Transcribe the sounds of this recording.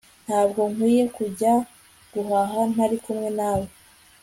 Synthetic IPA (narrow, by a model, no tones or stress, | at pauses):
n̥haːb̚ɡo̞ŋkwiːje̞kuɟa | ɡ̥uɦaɦan̥aɾikumŋe̞nawe